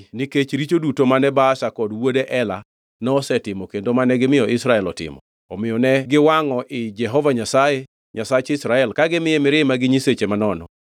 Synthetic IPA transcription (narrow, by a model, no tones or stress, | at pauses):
niket͡ʃɾit͡ʃodutomanɛbaːʃakɔdwodeʔɛla | nɔːsɛtɪmɔkendomanɛɡɪmɪjɔʔɪsɾaɛlɔtɪ̰mɔ̰ | ɔmɪjɔnɛɡɪwaŋɔʔɪd͡ʒɛɦɔvaɲasaje | ɲasat͡ʃɪsɾaɛlkaɡɪmɪjɛmɪɾɪmaɡɪɲiset͡ʃemanɔnɔ̰